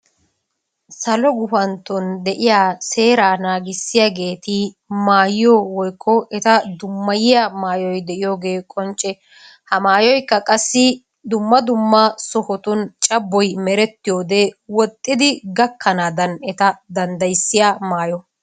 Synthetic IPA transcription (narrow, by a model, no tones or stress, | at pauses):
sɐlɔɡʊfɐnt̪ːɔnd̪ɛʔɪjaːse̞ːɾaːnaːɡɪsːɪjaɡe̞ːt̪ɪ | maːjɪjowɔjkːɔʔɛt̪ɐd̪ʊmːɐjɪjamaːjɔjd̪ɛʔɪjo̞ːɡe̞ːkʼɔnt͡ʃʼːɛ | hɐmaːjɔjkːɐkʼɐsːɪ | d̪ʊmːɐd̪ʊmːɐsɔhɔt̪ʊnt͡ʃʼɐbːɔjmɛɾɛt̪ːɪjoːd̪ewɔt̪ʼːɪd̪ɪɡɐkʰːɐnaːd̪ɐnɛt̪ɐd̪ɐnd̪ɐjsːɪjaːmaːjɔ